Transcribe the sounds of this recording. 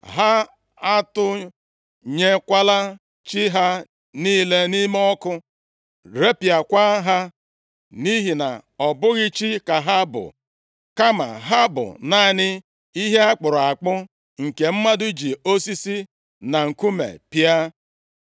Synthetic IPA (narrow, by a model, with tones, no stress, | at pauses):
ɦa˦ | a˦tʊ˦ | ɲe˦kʷa˦la˦ | t͡ʃi˦ɦa˦ | niː˦le˦ni˦me˦ɔ˦kʊ˦ | ɾe˦pja˨kʷa˦ɦa˦ | ni˦ɦi˨na̰˨ɔ˨bʊ˦ɣɪ˦t͡ʃi˦ka˨ɦa˦bʊ̰˨ | ka˦ma̰˨ɦa˦bʊ̰˨na˦˨nɪ˦ | i˦ɦe˦a˦k͡pʊ˨ɾʊ˨a˨k͡pʊ˦ | ŋ̩˨ke˨m̩˦ma˦dʊ˦d͡ʒi˨o˦si˦si˦ | na˨ŋ̩˨ku˦mḛ˨pja˦